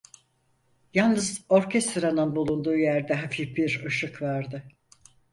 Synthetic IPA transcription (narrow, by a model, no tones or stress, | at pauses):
jalˠnɯzo̞ɾcʰest̪ɾanɯnbulˠund̪uːjæɾd̪ɛɦafifbiɾɯʃɯkvaɾd̪ɯ